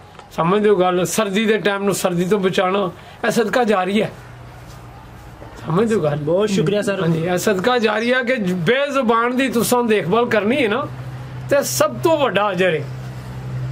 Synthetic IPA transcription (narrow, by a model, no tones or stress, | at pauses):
səmẽːd̪oːɡəlsəɾd̪iːd̪eːʈɛːmnũːsəɾd̪iːt̪̬õːbət͡ʃaːnaː | ɛːsəd̪kaːd͡ʒaːɾiːɛː | səmẽːd̪oːɡəlbɔːt̪ʃʊkɾijaːsəɾãːd͡ʒiːɛːsəd̪kaːd͡ʒaːɾiːɛːk̬ɪbeːzəbaːnd̪iːt̪ʊsãːd̪eːkʰbəːlkəɾniːɛːnaː | t̪eːsəb̚t̪õːʋəɖaːəd͡ʒəɾeː